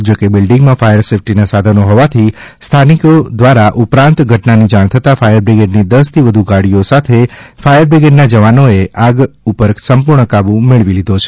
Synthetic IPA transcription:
d͡ʒokebɪlɖĩŋɡmãfajəɾsefʈinasad̪ʱənoɦɔʋat̪ʰist̪ʰanikod̪ʋaɾaʔupɾãnt̪ɡʱəʈnanid͡ʒaɽ̃t̪ʰət̪afajəɾbɾeɡeɖnid̪əst̪ʰiʋəd̪ʱuɡaɽijosat̪ʰefajəɾbɾeɡeɖnad͡ʒəʋanoeaɡupəɾsəmpuɾɳəkabũmeɭʋilid̪ʱot͡ʃʰe̥

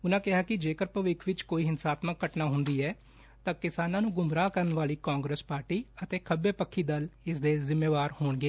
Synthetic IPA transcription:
ʊnãːkɪɦaːkɪd͡ʒeːkəɾpəʋɪkʰʋɪt͡ʃkoːiːɦɪnsaːt̪məkːəʈnaːɦʊnd̪iːɛː | t̪ãːkɪsaːnãːnũːɡʊmɾaːkəɾənʋaːliːkãːŋɡɾeːspaːɾʈiːət̪eːkʰəbːeːpəkʰːiːd̪əlɪsd̪eːzɪmːeːʋaːɾhoːɳɡeː

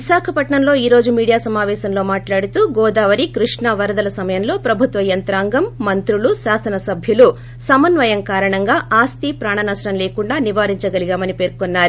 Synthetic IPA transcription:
ʋiʃaːkʰɐpɐʈɳɐmlo̞ːiːɾo̞ːd͡ʒumiːɽijaːsɐmaːʋɛːʃɐmlo̞ːmaːʈlaːɽut̪uːɡɔːd̪aːʋɐɾikɾiʂɳɐʋɐɾɐd̪ɐlɐsɐmɐjɐmlo̞ːpɾɐbʱut̪ʋɐjɐnt̪ɾaːŋɡɐmːɐnt̪ɾuɭuʃaːsɐnɐsɐbʱjulu | sɐmɐnʋɐjɐŋkaːɾɐɳɐŋɡaːʔaːst̪ipɾaːɳɐnɐsʈɐmle̞ːkuɳɖaːniʋaːɾiɲt͡ʃɐɡɐliɡaːmɐnipe̞ːɾkonːaːɾu

